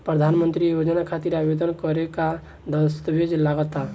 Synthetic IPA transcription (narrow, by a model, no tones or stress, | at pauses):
pɾəd̪ʱanmənt̪ɾijod͡ʒnakʰat̪iɾabed̪ənkɔɾeka | d̪əst̪əbed͡ʒlaɡət̪a